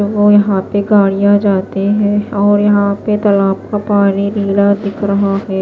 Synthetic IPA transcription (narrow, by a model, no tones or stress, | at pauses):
ʋojɐɦãpeɡaːɽ̃ijãd͡ʒaːt̪eɦɛ̃ːɔːɾjɐɦãpet̪ɐlaːp̚kapaːniɾiːlad̪ɪkʰɾɐɦaɦɛː